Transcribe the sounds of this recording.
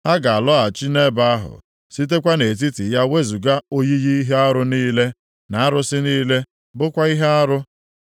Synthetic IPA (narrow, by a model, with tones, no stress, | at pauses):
ha˦ɡa˨a˨lɔ˦a˨t͡ʃi˦ne˦ba˦a˦ɦʊ̰˨ | si˦t̬e˦kʷa˦ne˨t̬i˦ti˨ja˦we˦zu˨ɡa˦o˦ji˦ji˦i˦ɦe˦a˦ɾʊ˦niː˦le˦ | na˨a˦ɾʊ˦sɪ˦niː˦le˦ | bʊ˦kʷa˦i˦ɦe˦a˦ɾʊ˦